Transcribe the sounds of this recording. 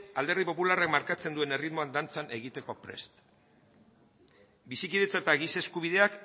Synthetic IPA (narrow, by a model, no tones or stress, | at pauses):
ald̪e̞rðipo̞pularakmaɾkat͡se̞nd̪ue̞ne̞rit̪mo̞and̪ant͡sane̞ɣit̪e̞ko̞pɾe̞̰st̪ | bisikiðe̞t͡saet̪aɣise̞skuβ̞iðe̞ak